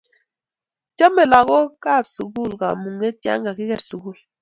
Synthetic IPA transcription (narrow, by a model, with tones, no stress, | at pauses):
t͡ʃɔ˦mɛ˨la˨ɣɔ˦ka˦˨bsu˨ɡu˦˨lka˨mu˨ŋe˦tja̰˦ŋɡa˨ki˦kɛ˨ɾsu˨ɡu˦˨l